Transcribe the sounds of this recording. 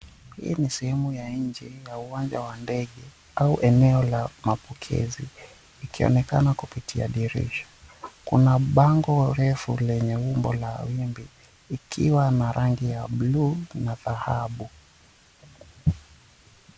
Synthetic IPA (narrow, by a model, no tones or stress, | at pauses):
hḭːnisɛhɛmujaɲd͡ʒijauwand͡ʒawandɛɠɛ | auʔɛnɛɔlamapɔkʰɛ̰ziː | kiɔ̰nɛkanakupitʰia̰ɗiɾḭʃɔ̥kunaɓaŋɡɔɾɛfulɛɲɛumbɔ̰lawimbiː | kʰiwanaɾʔaŋɡijaɓlunaðahaɓu